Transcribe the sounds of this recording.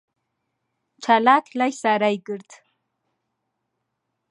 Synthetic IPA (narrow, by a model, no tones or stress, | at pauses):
ʈ͡ʂʰalatʲʰlajsaɾajɡɨrtʰʼ